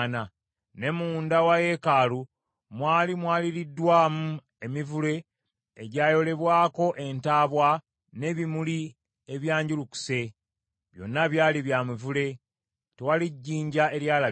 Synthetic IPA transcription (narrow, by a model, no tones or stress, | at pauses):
na | ne̞muːndawaje̞kaːlu | mwaːlimwaːliɾidːwaːmu | e̞mivule̞ː | ɟaːjo̞le̞βwaːko̞ʔe̞ntaːβwa | ne̞βimuli | eβjaːɲɟuluku̥se̞ | βjo̞̰nːaβjaːliβjaːmivule̞ | tewaliɟːiːɲɟae̞ɾjaːla